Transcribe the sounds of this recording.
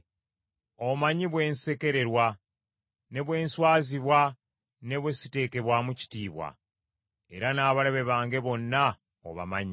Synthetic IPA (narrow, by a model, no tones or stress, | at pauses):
o̞maɲiβwe̞ːnse̞ke̞ɾe̞ɾwa | ne̞βwe̞ːnswaːziβwa | ne̞βwe̞site̞ːke̞βwamuci̥tiːβwa̰ | e̞̰ɾanaːβaleβe̞βaːŋɡe̞βo̞nːa | o̰βa̰maɲi